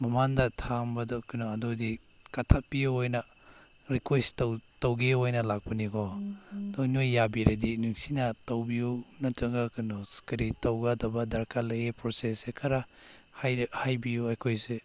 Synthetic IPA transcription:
mɐmandɐtʰaŋbɐdakɯnɔɐdodi | katʰapijuojnɐ | ɾikwestawtawɡeojnɐlak̚pɐnikɔdɔnojːabiɾɐdinuŋsinɐtawbijunɐt͡ʃɐŋɡakɯnɔskɐɾitawɡadɐbɐdɐɾkalɐjepɾosesːekʰaɾa | hajhajbijuajkʰojse

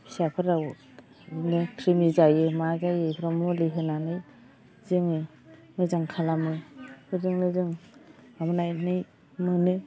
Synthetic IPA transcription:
sapʰɯɾaw | nɯkʰɾimizajɯmazajɯpʰɾamɔliɦɯnanɯj | zɯŋɯ | mɯzaŋkʰalamɯbʰɯzɯŋnɯzɯŋamɯnajnɯj | mɯnɯ

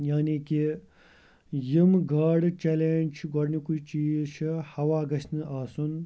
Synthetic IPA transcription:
jaːniki | jimɡaːɖt͡ʃeːleːnʲt͡ʃʰɡɔɾnikut͡ʃiːzʃʰihɐʋaːɡɐsʰnɨʔaːsun

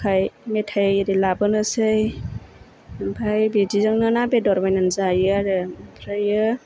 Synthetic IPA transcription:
kʰajmetʰajɾilabɯnɯsɯj | ɯmpʰajbidizɯŋnɯnabedɔɾbajnanzajɯaɾɯpʰɾajɯ

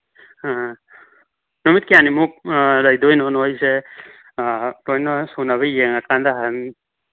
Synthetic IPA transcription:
nɔmit̚kijanimuk̚ɾajdojnɔnojse | lojnɔsunaβɐjeŋakandaɦani

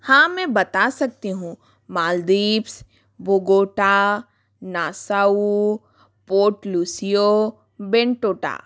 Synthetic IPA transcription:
hãːmɛ̃bɐt̪asɐk̚t̪iɦũ | maːld̪iːps | bʱoɡoːʈa | naːsaːu | poːʈluːsijo | bẽɳʈoːʈa̰ː

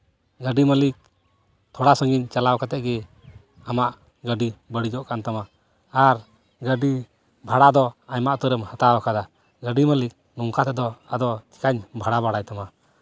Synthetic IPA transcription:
ɡəɖiməlik̚ | t̪ʰɔɽasɔŋɡiɲt͡ʃalawkat̪ɛʔɡɛ | amaʔ | ɡəɖibəɽid͡ʒɔʔkant̪ama | aɾ | ɡəɖi | bʱaɽad̪ɔaɲmaʔt̪uɾɛmhat̪awakad̪a | ɡəɖiməlik̚ | nuŋkat̪ɛd̪ɔad̪ɔt͡ʃi̥kaɲbʱaɽabaɽajt̪ama

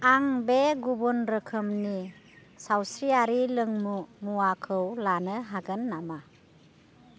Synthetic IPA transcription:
aŋbeɡubunɾəkʰɯmni | sawsɾiaɾilɯŋmumuakʰɯwlanəɦaɡənːama

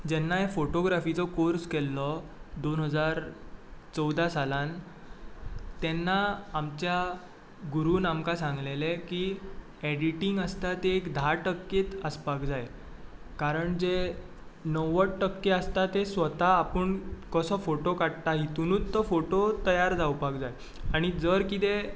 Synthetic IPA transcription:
d͡ʑɛnːajefoʈoɡɾafit͡sɔkoɾskɛlːɔd̪onɦəd͡zaɾ | t͡səwd̪asalãn | t̪ɛnːaːmt͡ɕja | ɡuɾuːnamkasãŋɡleleki | ɛɽiʈiŋɡəst̪at̪eːkd̪ʱaʈəkːet̪əspakd͡zaj | kaɾəɳd͡ʑe | nəwəʈʈəkːeəst̪at̪esʋət̪aːpəɳkəsɔfoʈokaɽt̪aɦit̪unuːt̪ːəfoʈot̪əjaɾd͡zawpakd͡zaj | aɽ̃id͡zəɾkit̪e

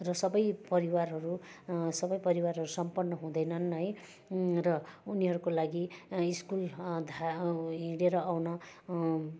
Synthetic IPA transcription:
rʌsʌbʌjpʌɾiwarɦʌɾusʌbʌjpʌɾiwarɦʌɾusʌmpʌnːʌɦũd̪ʌjnʌnʌj | rʌuniɦʌɾukolaɡiiskuld̪ʱaɦĩɽeɾʌawnʌ

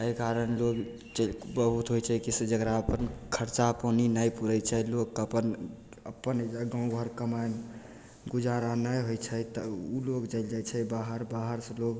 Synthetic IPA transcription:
əjkaɾənloɡ | t͡ʃəlbəɦut̪ɦojt͡ʃʰɛkised͡ʒəɡɾaəpənkʰəɾt͡ʃaponinajpuɾɛt͡ʃʰɛlokːəpən | əpːənd͡ʒaɡãũbʱəɾkəmajn | ɡud͡ʒaɾanəjɦojt͡ʃʰɛt̪əulokd͡ʒaɪld͡ʒajt͡ʃʰɛbaɦəɾbaɦəɾsə̃loɡ

